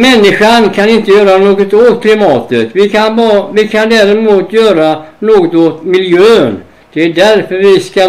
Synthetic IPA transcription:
mɛnːɪɧankʰanɪnt̪əjœːɾanoːɡɔt̪oːt̪kʰlɪmɑːt̪ət̪vɪkʰanvɪkʰand̪ɛɾɛmuːt̪jœːɾanoːɡɔt̪oːt̪mɪljøːn | d̪̥ɛæɖ̪æɾfœɾvɪska

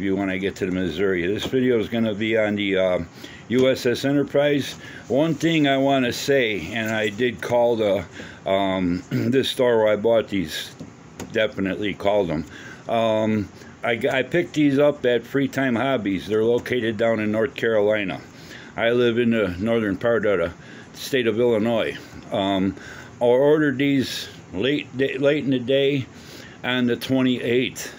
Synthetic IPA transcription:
fjɨwɑ̃ɾnɨɡɛtʰɨðɨmɨzɜ˞iɨðɪsvɪɾioʊzɡʌnɨbiɨ̃nðɨʌ | jʉɛsɛsɛ̃ɾ̃ə˞pʰɹ̥aɪz | wʌ̃nθɪ̃ŋaɪwɑ̃nɨseɪɨ̃naɪdɨd̚kʰɔlˠðə | ðɪstɔɹwə˞aɪbɔt̪̚ðiz̥ | dɛfɨnɨʔˡlikʰɔlˠd̪̚ə̃m | ʔm | aɪaɪpʰɪk̚t̪̚ðizʌp̚ɨtfɹitʰãɪ̃mhæbizðə˞loʊkʰeɪɾɨdãʊ̃nɨ̃nːɔɹθkʰɛɹəlãɪ̃nə̰ | ʔaɪlɪvɨ̃nðɨnɔɹðə̃˞npʰɛɹɨdɛɾə | steɪɾʌvɪlˠənɔɪ | aɪɔɹɾə˞d̪̚ðiz | leɪt̚deleɪɾɨn̩ðɨdeɪ | ʔɨ̃nðɨtʰw̥ɛ̃ɾ̃iʔeɪt̪

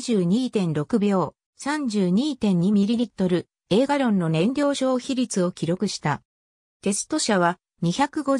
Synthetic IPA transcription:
ʑɨːɲ̟iːt̪ẽ̞nɾo̞kɯ̟bʲo̞ː | sãɲ̟d͡ʑɨːɲ̟iːt̪ẽ̞ɲ̟ɲimʲiɾʲiɾʲit̪ːo̞ɾɯ̟ | e̞ːɡaɾõ̞nːo̞nẽ̞ndʲo̞ːɕo̞ːçiɾʲit͡sɨo̞kʲiɾo̞kɯ̟ɕi̥t̪a̰ | t̪e̞sɨ̥t̪o̞ɕaβ̞a | ɲ̟içakɯ̟ɡo̞

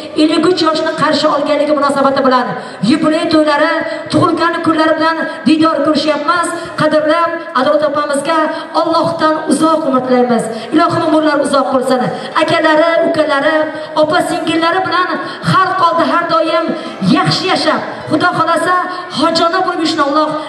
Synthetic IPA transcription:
elːɪɡʲʊt͡ʃʰjɒʃɪnɪqʰɑɾʃɪɒlˠɡʲanlːɪɡʲɪmʊnɒsabat̪ɪbɪlan | jʊbɾɪjt̪ʰojlaɾɪt̪ʰʊʁʊlˠɡʲanɪkʰʊɾlaɾɪbɪland̪ɪnːɒɾkɵɾɪʃajapmas | qʰɑd̪ɪɾlapad̪ɒt̪ʰɒpamɪzɡʲa | ɒlˠːɒhd̪anʊzɒqʰʊmːat̪lajmɪz | ɪlˠɒhɨmʊmʊɾlaɾʊzɒqʰːolˠsanɪ | akʲʰalaɾɪʊkʲalaɾɪ | ɒpasɪŋɡʲɪɾlaɾɪbɪlan | χaɾt̪̚qʰɒlˠd̪ɪɦaɾd̪ɒjɪm | jɑχʃɪjaʃap | χʊd̪ɒχɒlasa | hɒd͡ʒɒnabolˠmɪʃɪnɒlˠːɒq

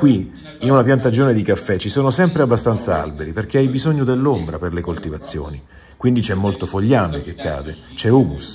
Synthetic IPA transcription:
kwi | inunapjant̪ad͡ʒoːned̪ikafːɛt͡ʃːisoːnosɛmpɾeabːast̪ant̪saa̰lbeɾiperk̟eajbizoɲːod̪elːombɾaperlekolt̪ivat̪sːjo̰ːni | kwind̪it͡ʃɛmːolt̪ofoʎːaːmek̟ekʰːa̰ːd̪et͡ʃɛuːmus

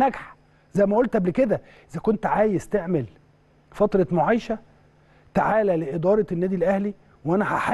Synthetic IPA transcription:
næɡħ | zæjmæʔolt̪ʔæbleked̪æ | ʔɪzækont̪ʕaːjezt̪eʕmel | fɑt̪ɾˤɑmoʕajʃæ | t̪aʕaːlæleʔed̪ɑːɾˤɑnːæːd̪ilʔæhli | wʔænæħaħa

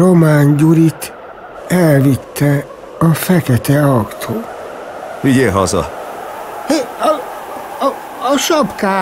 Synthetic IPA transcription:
ɾomaːɲɟuɾit̪ | ɛlvit̪ːɛ | ɒfɛkɛt̪ɛɒkt̪ʰoː | viɟeɦɒzɒ̰ | ʃɒpkaː

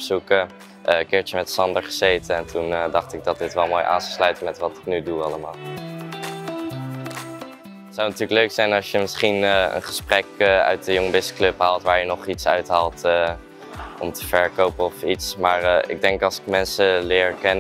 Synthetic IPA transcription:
bzukə | ʔəkɪːɹtəmɛtsɑndəɹχəzejtəɛntundɑχtɪɡ̚dɑt̚dɪtʋɛlˠmoːjʔa̰ːnsə̥slœɥtəmɛtʋɑtɪ̥knyduɑləmaːlˠ | ətsawnatyːləkløɥksɛjnɑlˠʃjəmɪsχinə̰nχə̥sprɛkəœ̰ɥt̚dəjɔŋəbɪsə̥klɵpɦaːlˠtʋaːɹjənɔχitsœ̰ɥtɦaːlˠtə | ɔ̰mtəfɛɹkowpəɔfitsmaːɹɪ̰ɡ̚dɛŋkɑlˠsɪ̥kmɛnsəlɪːɹkɛn

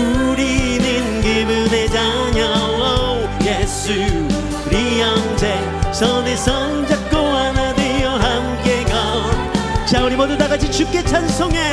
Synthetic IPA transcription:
uɾinɯnɡibɯned͡ʑa | ɲʌŋʌ | jesu | kɾijʌŋd͡ʑe | sʰʌnesʰʌŋd͡ʑak̚k͈oanadejʌɦamk͈eɡʌnɕauɾimʌdud̪aɡad͡ʑʰit͡ɕuk͈et͡ɕʰansʰoŋe

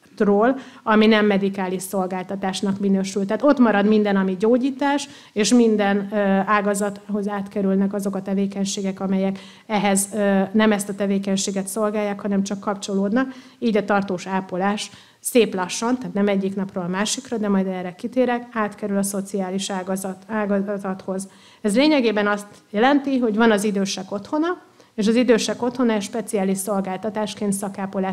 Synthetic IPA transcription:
t̪roːlɒminɛmːɛd̪ikaːliʃso̞lɡaːlt̪ɒt̪aːʃnɒkminøːʃylt̪ɛt̪o̞t̪mɒɾɒd̪mind̪ɛnɒmiɟoːɟiːt̪aːʃ | eːʃmind̪ɛnaːɡɒzɒt̪ho̞zaːt̪kɛɾylnɛkɒzo̞kɒt̪ɛveːkɛɲʃeːɡɛkɒmɛjɛk | ɛɦɛznɛmɛst̪ɒt̪ɛveːkɛɲʃeːɡɛt̪so̞lɡaːjːaːkhɒnɛmt͡ʃɒkːɒpt͡ʃo̞loːd̪nɒk | iːɟɒt̪ɒrt̪oːʃaːpolaːʃ | seːplɒʃːont̪aːt̪nɛmɛɟːiknɒproːlɒmaːʃikrɒd̪ɛmɒjd̪ɛrɛkit̪eːɾɛkaːt̪kɛɾylɒso̞t̪siaːliʃaːɡzaːɡzɒt̪ho̞z | ɛzleːɲɛɡeːbɛnɒst̪jɛlɛnt̪iɦo̞ɟvɒnɒzid̪øːʃɛko̞t̪ho̞nɒ | eːʃɒzid̪øːʃɛko̞t̪ho̞nɒɛʃpɛt̪sijaːliʃso̞lɡaːlt̪ɒt̪aːʃkeːnt̪sɒkaːpolaːʃ

